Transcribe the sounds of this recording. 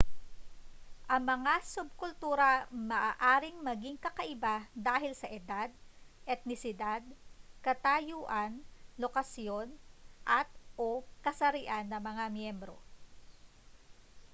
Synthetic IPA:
ʔɐŋmɐŋasʊb̚kʊlt̪uːɾɐmɐʔaːʔaːɾɪŋmɐɡiŋkɐkɐʔɪbad̪aːɦɪlsɐʔɛd̪ad̪̚ʔɛt̪̚nɪsɪd̪ad̪̚kɐt̪ajuːʔɐnlokɐsjo̞nʔɐt̪̚ʔo̞kɐsɐɾɪʔanːɐmɐŋamjɛmbɾo̞̰

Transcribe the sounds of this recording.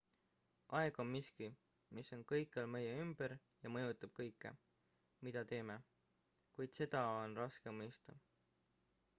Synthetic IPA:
ʔɑeɡ̥o̞nmiski | misːo̞nkɤjkːˑɑlme̞jeymb̥eɾ | jɑmɤ̞jut̪ːˑɑb̥̚kɤ̞jkːˑe̞̰ | mid̪̥ɑt̪e̞ːme̞ | kujd̪̥se̞d̪̥ɑonrɑske̞mːɤjst̪ɑ

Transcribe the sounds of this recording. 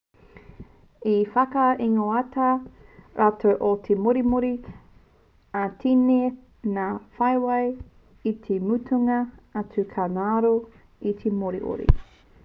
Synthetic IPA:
ifɐkɐiŋoɐtɐɾʔatʰoʔotʰemoɾimoɾi | atʰine | nafɐjwɐj | it̪ʰemutʰuŋɐat͡sukʰanaːɾo | it̪ʰemoɾḭʔo̰ɾḭ

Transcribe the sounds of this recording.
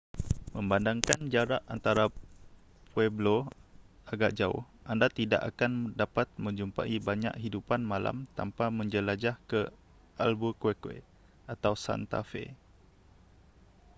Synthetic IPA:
mə̃mbandaŋkand͡ʒaɾaʔant̪aɾa | pwɛblo | aɡaʔd͡ʒaʊ̰hʔandat̪ida̰ʔakandapat̪̚mə̃ɲd͡ʒumpa̰ʔibaɲa̰ʔɦidupanmãla̰mt̪a̰mpamə̃ɲd͡ʒəlad͡ʒahkə | ʔa̰lbukwekwḛ | at̪awsa̰nt̪a̰fḛ

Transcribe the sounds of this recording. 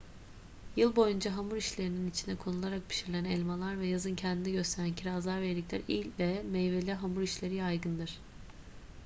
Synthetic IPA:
jɯlˠbo̞jund͡ʒaɦamuɾiʃlʲe̞ɾininit͡ʃʰind̪ɛkʰo̞nulˠaɾak̚pʰi̥ʃiɾlʲeænɛlʲmalˠaɾvɛjazɯncʰɛnd̪inɛɟø̞st̪ʰe̞ɾæncʰiɾaːzlˠaɾveɾlʲiclʲæ̰ɾḭlʲvɛmɛjvelʲɛɦamuɾiʃlʲe̞ɾijajɡɯnd̪ɯɾ̥

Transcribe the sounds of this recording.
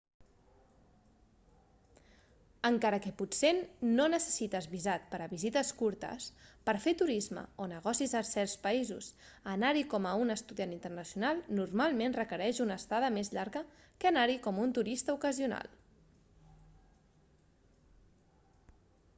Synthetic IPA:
əŋkaɾəkəput̪senːonəsə̥sit̪əzβizat̪̚pəɾəβizit̪əskuɾt̪ə̰spəɾfet̪uɾizmə̰onəɣ̞ɔsizəsɛɾspəizṵs | ənaɾikɔməunəst̪uðianint̪ərnəsjunalˠnurmalˠmenrəkəɾɛʃunəst̪aðəmezʎaɾɣə | kənaɾikɔmunt̪uɾist̪əukəziuna̰lˠ

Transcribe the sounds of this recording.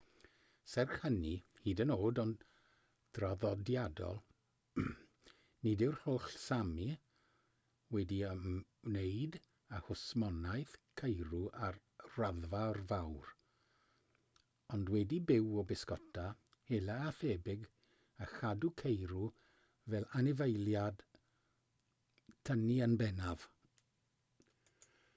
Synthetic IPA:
sɛrχhənihiːdənoːdɔn | d̥raðɔdjadɔ̰lˠ | nidɪwrhoɬsami | wɛdiəmnejd | ahʊsmɔnajθkʰejɾuʔar | raðvarvawr | ɔndwɛdibɪwɔbɪskɔtʰa | helaːθɛbɪɡ | axadukʰejɾu | vɛlˠanɪvejlˠjad̥ | tʰəniənbɛnav̥

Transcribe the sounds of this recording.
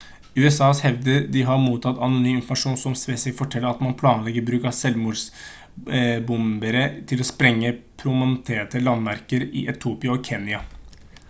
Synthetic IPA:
ʉːɛsɑːshɛʋd̪əd̪ɪɦɑɾmuːt̪ʰɑt̪ɑnʊnyːmɪnfɔmɑʂuːnsɔmsʋɛːsɪfɔʈʰɛlːəɾɑt̪mɑnpʰlɑːnəlɛɡəɾbɾʉːkɑsɛlmuls | bʊmbəɾət̪ʰɪlɔspɾɛŋːəpʰɾʊmɛnt̪ʰeːʈ̪əlɑnʋæɾkəɾɪ̰ʔɛt̪ʰuːpɪəɔkʰɛːnjɑ

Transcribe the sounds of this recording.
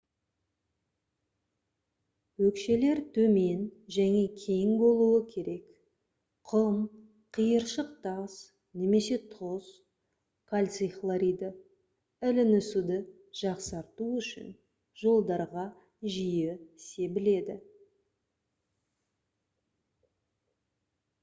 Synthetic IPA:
wɵkʃe̞le̞ɾt̪ʰɵme̞nʒæŋe̞kʲʰe̞jŋbo̞lˠuəkʲʰe̞ɾe̞k | qʰəm | qʰijəɾʃəq̚t̪ɑs | ne̞me̞se̞t̪ʰoz̥ | kʰalʲt̪siχlˠaɾijd̪ə | ɪlɪnʏsud̪ə | ʒ̥ɑqsɑɾt̪uʏʃɪ̰n | ʒo̞lˠd̪ɑɾʁɑ | ʒijɪse̞bɪle̞d̪ɪ

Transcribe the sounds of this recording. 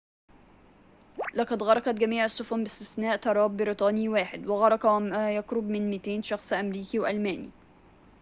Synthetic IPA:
lɑqɑd̪ɣɑɾˤɑqɑt̪ɡæmiːʕasːʊfʊnbɪst̪ɪsnæːʔt̪ɑɾˤɑːbːɪɾit̪ˤɑːniwaːħɪd̪wɪɣɑɾˤɑkɑmjɑkɾʊbmɪnmɪt̪eːnʃɑxsˤʔæmɾiːkiwʔælmæːnḭ

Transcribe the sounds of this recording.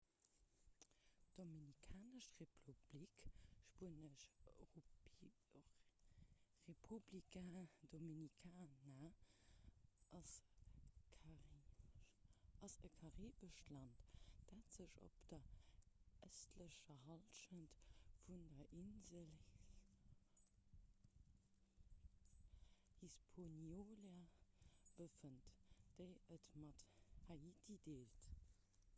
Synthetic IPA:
d̥ominikʰaːnəʃʁepʰub̥likʃpuənəʃ | ʁepʰublikadominikʰaːnɐ | ʔɑs | ɑsəkʰɑʁiːbəʃtlɑntd̥aːtz̥əɕo̰pd̥ɐ | ʔəstləɕɐɦɑlʃəntfundɐʔinzəl | hispʰonjoːleɐ | b̥əfəntd̥əɪətmɑthaitʰideːlt

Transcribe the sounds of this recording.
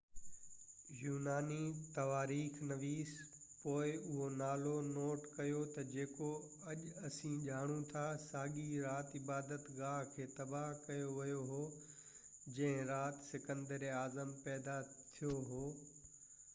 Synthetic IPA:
juːnaːnit̪ɐʋaːɾiːxnɐʋiːs | poːɪʊɦonaːlonoːʈkɐjot̪ɐd͡ʑeːko | ɐʄɐsĩːʄaːɽ̃ũt̪ʰasaːɠiɾaːt̪ɪbaːd̪ət̪ɣaːɦkʰeːt̪ɐbaɦkɐjoʋɐjoɦoː | d͡ʑɐ̃ɦɪ̃ɾaːt̪sɪkə̃nd̪əɾaːzəmpɛːd̪at̪ʰijoɦoː

